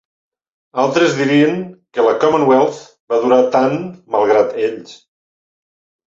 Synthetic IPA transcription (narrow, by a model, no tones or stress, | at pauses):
alˠt̪ɾezðiɾiəŋkələkɔmənwɛlˠf | baðuɾat̪anməlˠɣ̞ɾat̪eʎs